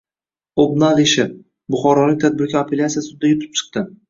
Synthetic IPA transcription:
obnalˠeʃɪ | bʊχɒɾɒlɪk̚ʲt̪ʰad̪̚bɪɾkʲaapʰe̞lʲat̪sijasʊd̪ajʊt̪ʰɪ̥p̚t͡ʃʰɨ̥q̚t̪ɪ

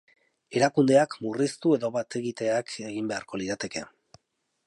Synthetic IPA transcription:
e̞ɾakund̪e̞akmurist̪ue̞ðo̞βat̪e̞ɣit̪e̞akʰe̞ɣ̞imbe̞aɾko̞liðat̪e̞ke̞

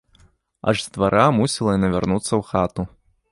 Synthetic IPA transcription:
ɐ̰ʐzʲd̪vaɾʔamusʲilˠɐjinɐvʲarnut̪sːɐwxat̪u

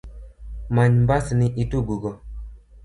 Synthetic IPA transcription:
maɲmbasniʔituɡuɡɔ

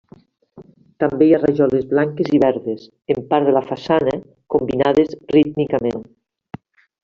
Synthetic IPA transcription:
t̪ambejaraʒɔlezβlaŋkeziβɛɾðes | empaɾðelafasanɐ | kombinaðezrit̪mikamen

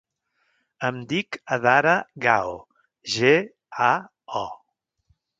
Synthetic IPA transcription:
əmd̪ikəðaɾəɣaw | ʒe | a | ɔ

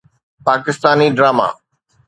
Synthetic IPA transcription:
paːkɪst̪aːniɖɾaːma̰ː

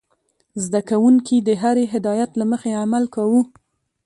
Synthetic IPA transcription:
zd̪akawuŋkid̪əɦaɾeɦɪd̪ɑjat̪laməxeamalkawu

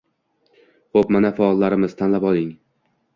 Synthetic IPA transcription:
χopmanafaɒlˠːaɾɪmɪz̥t̪ʰanlapɒlˠɪŋ

